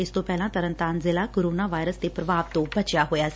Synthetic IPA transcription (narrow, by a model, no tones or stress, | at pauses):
ɪst̪õpɛːlãt̪əɾə̃nt̪aːnzɪlakoːɾoːnaːʋaːɪɾəsd̪epɾəbaːʋt̪õbət͡ʃjaɦoːjaːs